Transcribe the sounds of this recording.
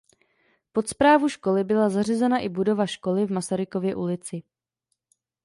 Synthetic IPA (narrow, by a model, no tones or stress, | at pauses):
po̞t̪spɾaːvuʃko̞lɪbɪlazar̝ɪzɛnaʔɪbudo̞vaʃko̞lɪvmasaɾɪko̞vjɛʔulɪt͡sɪ